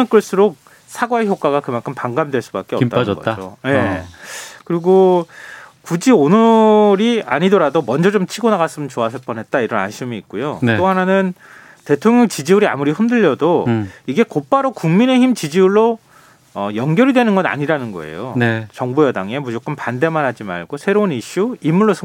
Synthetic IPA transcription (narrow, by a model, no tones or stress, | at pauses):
ɯnk͈ɯɭs͈ɯɾok̚ | sʰaɡwaeçjok̚k͈aɡakɯmankʰɯmpaŋɡamdwe̞ɭs͈ubak͈eʌt͈aɡʌ̰d͡ʑo̰je | kɯɾiɡo | kud͡ʑionɯɾia̰ɲidʌɾadomʌnd͡ʑʌd͡ʑomt͡ɕʰiɡonaɣas͈ɯmɯnt͡ɕoasʰʌɭp͈ʌnɦe̞t̚t͈aiɾʌna̰nɕʰimiːk̚k͈ujotoɦananɯn | te̞tʰoŋjʌŋt͡ɕid͡ʑiuɾia̰muɾiɸɯmdɯʎːʌdoiɡe̞kop͈aɾokuŋmine̞çimt͡ɕid͡ʑiuɭːo | ʌjʌŋɡjʌɾidwe̞nɯnɡʌna̰ɲiɾanɯnɡʌe̞̰jont͡ɕʌŋbujʌdaŋe̞mud͡ʑok͈ɯnpande̞manɦad͡ʑima̰ɭɡosʰe̞ɾouniɕ͈uimːuɭːosʰ